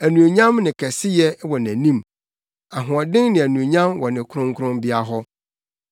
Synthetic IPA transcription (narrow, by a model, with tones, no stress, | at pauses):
æ˨nũ˨e˨ɲã˦mnɪ̃˨kʰɛ˨sɪ˦jɛ˦wɔ˨næ̃˨nĩ˦m | a˨ɦʊ̃˨ɔ˨dɪ̃˦ŋnɪ̃˨æ˨nũ˨ɲã˦mwɔ˨nɪ̃˨kʰʊ˦ɾʊ̃˦ŋkʰɾʊ̃˦mbɪ˦a˦ɦɔ˦